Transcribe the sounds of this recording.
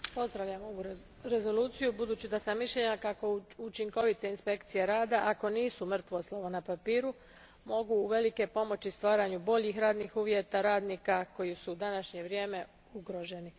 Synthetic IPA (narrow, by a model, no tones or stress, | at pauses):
po̞zd̪ɾaʋʎamoɡuɾ | ɾe̞zo̞luːt̪sijubud̪uːt͡ɕid̪asamːiʃʎe̞ɲakako̞ut͡ʃiŋko̞ʋit̪e̞inspe̞kt̪sije̞ɾaːd̪aʔako̞niːsumr̩t̪ʋoslˠoʋonapapiːɾu | mo̞ɡuːʋe̞like̞po̞mo̞t͡ɕist̪ʋaːɾaɲubo̞ʎixɾaːd̪nixuːʋjet̪aɾaːd̪niːkako̞jisuːd̪anaʃɲe̞ʋɾje̞ːme̞ | uɡɾo̞ʒe̞ni